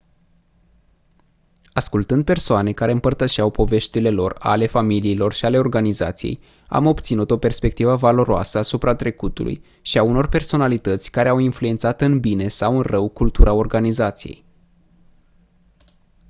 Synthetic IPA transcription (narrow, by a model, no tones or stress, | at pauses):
askult̪ɨnd̪̚pe̞rsoane̞kaɾe̞ɨmpərt̪əʃiawpo̞ve̞ʃt̪ile̞lo̞̰ra̰le̞familiːlo̞rʃiale̞o̞rɡaniza̰t̪sijḛj | a̰mo̞bt̪sinut̪o̞pe̞rspe̞k̚t̪ivəvalo̞ɾoa̰səasupɾat̪ɾe̞kut̪ṵlʔṵj | ʃiauno̞rpe̞rso̞nalit̪ət̪sʲkaɾe̞awinflue̞nt̪sat̪ɨnbine̞sawɨnrəwkult̪uɾao̞rɡanizat̪sijḛj